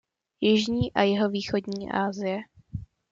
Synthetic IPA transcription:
jɪʒɲiːʔajɛɦo̞viːxo̞dɲiːʔa̰ːzɪjɛ

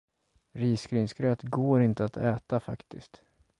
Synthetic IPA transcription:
ɾiːskɾiːnskɾœːt̪ɡoːɾɪnt̪əat̪ʰɛːt̪afa̰kt̪ɪ̰st̪

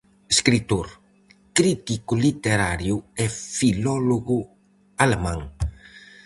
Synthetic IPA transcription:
eskɾit̪oɾ | kɾit̪ikʊlit̪eɾaɾjʊɛfilɔloɣʊ | alemãŋ

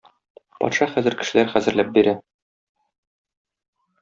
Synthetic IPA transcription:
pɒ̰t̪ʃɑχæzɘ̆ɾkɘ̆ʃɘ̆læɾχæzɘ̆ɾlæp̚biɾæ

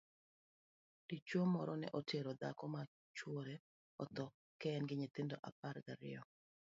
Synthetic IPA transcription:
d̥it͡ʃwomɔɾɔnɛ̰ʔoteɾod̪a̰kɔma | t͡ʃwoɾe | ɔt̪ɔ | kɛnɡɪɲet̪endoʔa̰paɾɡaɾɪ̰jɔ

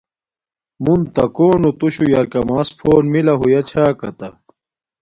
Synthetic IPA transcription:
munt̪ɐkoːnot̪uɕujɐɾkɐmaːspʰoːnmilɐɦujɐt͡ɕʰaːkɐt̪ɐ

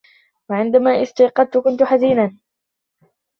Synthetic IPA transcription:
waʕɪnd̪amaːʔɪst̪ɑjqɑd̪̚t̪ʊkʊnt̪ʊħaziːnaːn

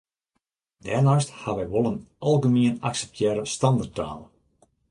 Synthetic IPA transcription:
dɛrnasthaʋɛjʋolˠənʔɑlˠɡəmiənaksɛ̥p̚tʰjɛɾəstɑndərtʰa̰ːl

